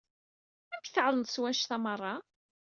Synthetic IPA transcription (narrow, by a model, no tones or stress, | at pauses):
æmkθʕlˤəd̪ˤswæʃθæmərˤːɑ